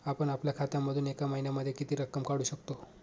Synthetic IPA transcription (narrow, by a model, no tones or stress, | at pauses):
apəɳapljakʰat̪jaməd̪ʱuːnekaməɦinjaməd̪ʱːjekit̪iːɾəkːəmkaɽuːɕəkt̪o